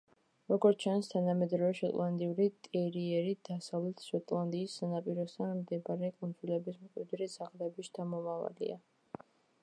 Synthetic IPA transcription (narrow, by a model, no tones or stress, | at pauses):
ɾɔɡɔɾt͡ʃʰanst̪ʰanamɛd̪ɾɔvɛʃɔt̪ʼlˠand̪iuɾit̪ʼɛɾiɛɾid̪̥asavlɛt̪ʰʃɔt̪ʼlˠand̪iːsːanapʼiɾɔst̪ʰanmd̪ɛbaɾɛkʼund̪zilɛbismkʼwid̪ɾizaʁd̪ɛbist̪ʰamɔmava̰lḭa